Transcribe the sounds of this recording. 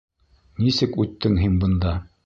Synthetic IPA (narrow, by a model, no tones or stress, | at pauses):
nisɘkʉt̪ːɘŋɦinbɤ̆nd̪ɑ